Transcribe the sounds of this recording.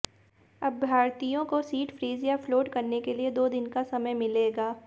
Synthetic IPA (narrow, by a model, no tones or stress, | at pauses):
ɐbːʱaːɾt̪ijõkosiːʈfɾiːzijafloːʈkɐɾnekelied̪oːd̪ɪnkasɐməjmɪleːɡaː